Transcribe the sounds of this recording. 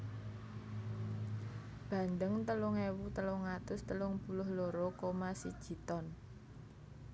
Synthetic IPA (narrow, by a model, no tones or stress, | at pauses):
b̥a̤nd̪əŋt̪əlʊŋewut̪əlʊŋat̪ʊst̪əlʊŋbulʊhloɾokomasid̥ʒ̥i̤t̪ɔn